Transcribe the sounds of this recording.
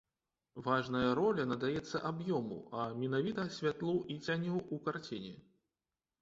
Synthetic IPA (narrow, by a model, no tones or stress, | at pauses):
vaʐnɐjɐɾɔlʲɐnɐd̪ajɛt̪sːɐʔabjɔmṵɐmʲɛnavʲit̪ɐsʲvʲat̪lˠuʔit͡sʲanʲuukart͡sʲinʲɛ